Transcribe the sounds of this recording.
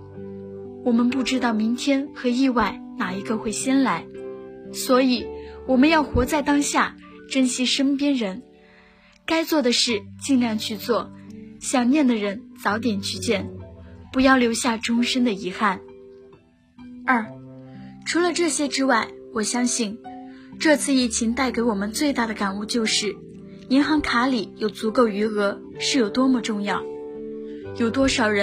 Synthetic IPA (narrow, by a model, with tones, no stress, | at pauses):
wɔ˨˩mə˧˦npu˥˩ʈ͡ʂɻ̩˥t̪ɑ˥˩ʊmi˧˥ŋt̪ʰjɛ˥nxɤ˧˥i˥˧wa˥˩ɪ | na˨˩i˧˥ɡə˧xwe˥˩ɪɕjɛ˥nla˧˥ɪ | swɔ˧˥i˨˩˦wɔ˨˩mə˧˦njɑ˥˩ʊxwɔ˧˥t͡sa˥˩ɪt̪ɑ˥ŋɕja̰˥˩ʈ͡ʂə˥nɕjɛ˥ʂə˥ŋpjɛ˥nɻə˧˥n | ka˥ɪt͡swɔ˥˩d̪ə˩ʂɻ̩˥˩t͡ɕi˥˧ŋljɑ˥˧ŋt͡ɕʰy˥˧t͡swɔ˥˩ɕjɑ˨˩ŋnjɛ˥˩nd̪ə˩ɻə˧˥nt͡sɑ˧˥ʊt̪̬jɛ˨˩nt͡ɕy˧˥t͡ɕjɛ˥˩npu˧˥jɑ˥˩ʊljo˧˥ʊɕja˥˩ʈ͡ʂʊ˥ŋʂə˥nd̪ə˨i˧˥xa˥˩n | ɐ˞˥˩ | ʈ͡ʂʰu˧˥lə˧ʈ͡ʂɤ˥˩ɕjɛ˥ʈ͡ʂɻ̩˥wa˥˩ɪwɔ˨˩ɕjɑ˥ŋɕi˥˩n | ʈ͡ʂɤ˥˧t͡sʰɹ̩˥˧i˥˩t͡ɕʰi˧˥ŋt̪a˥˩ɪke˧˥ɪwɔ˨˩mə˦nt͡swe˥˧ɪt̪a˥˩d̪ə˩ka˨˩nu˥˧t͡ɕjo˥˧ʊʂɻ̩˥˩ | i˧˥nxɑ˧˥ŋkʰa˧˥li˨˩jo˨˩ʊt͡su˧˥ko˥˩ʊy˧˥ɤ˧˥ | ʂɻ̩˥˩jo˨˩ʊt̪wɔ˥mɔ˧ʈ͡ʂʊ˥˧ŋjɑ˥˩ʊ | jo˨˩ʊt̪wɔ˥ʂɑ˨˩ʊɻə˧˦˥